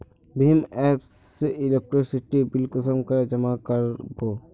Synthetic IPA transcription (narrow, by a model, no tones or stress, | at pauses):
bɪmɛːpseʔɪlek̚ʈɾisɪʈibɪlkəsəmkɐɾd͡ʒɐmakɐɾboː